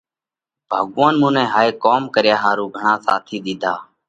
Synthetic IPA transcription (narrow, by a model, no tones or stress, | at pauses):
b̥ʱaːɠːãːnmũːnɛ̃ːɦaːeːkoːmkəɾjaːɦaːɾuːɡʱəɳãːsa̰ːt̪ʰiːɗ̪ɪd̪ʱaː